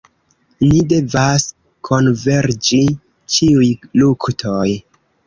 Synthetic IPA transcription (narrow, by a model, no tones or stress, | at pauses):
nide̞vas | kʰo̞nve̞ɾd͡ʒi | t͡ʃiujluktʰoj